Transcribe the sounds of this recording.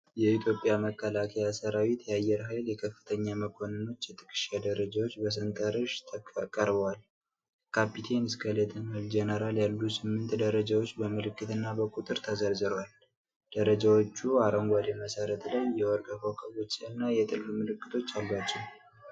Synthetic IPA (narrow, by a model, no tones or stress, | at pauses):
jɛit̪ʰjo̞pʼjaməkːəlakʰəjasəɾawit̪ʰjɛajːɛɾɦajljɛkʰəfːɨt̪ʰəɲːaməkʰo̞nəno̞t͡ʃːjɛt̪ʰɨ̥kʰʼɨ̥ʃad̪əɾəd͡ʒawot͡ʃːbəs̬ɨnt̪ʼəɾɨʃt̪ʰkʼəɾbəwal | kʰapʰit̪ʰensɡalet̪ʰɨnhɨld͡ʒenəɾaljalːusɨmːɨnt̪d̪əɾəd͡ʒawo̞t͡ʃːbəmɨlɨkːɨt̪ɨnːabəkʼut̪ʼɨɾt̪ʰəzəɾzɨɾəwal | d̪̥əɾəd͡ʒawot͡ʃːuaɾəŋɡʷaleməsəɾət̪lajːɛwɔɾɡʼəkʰokʼəɡot͡ʃːʼɨnːajɛt̪ʼɨlfmɨlɨkːɨt̪ʰo̞t͡ʃːalbat͡ʃːɛw